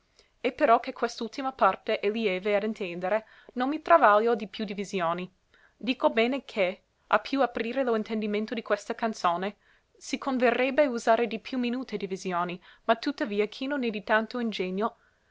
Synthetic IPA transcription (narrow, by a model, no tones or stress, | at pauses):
epeɾɔkekʰwest̪ult̪imapart̪eʔeliɛːvead̪int̪ɛnd̪eɾe | nonmit̪ɾavaljod̪ipjud̪ivizjoːni | d̪iːkobɛːnekʰe | a̰pʰːjuapɾiːɾeloint̪end̪imẽnt̪od̪ikwest̪akant̪soːne | sikʰonverːɛbeuzaːɾed̪ipʰjuminuːt̪ed̪ivizjoːnimat̪ːut̪ːaviːakʰinõnɛd̪it̪ant̪oind͡ʒeɲːo